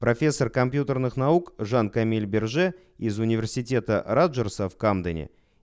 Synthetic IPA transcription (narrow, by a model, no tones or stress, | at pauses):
profʲe̞sːorkɐmʲpjut̪ərnɨχnaukʐankɐmʲilʲbʲɪrʐɛ | ɪzʊnʲɪvʲersʲitʲe̞t̪ərad̪ʒərsəfkamd̪ənʲɪ̰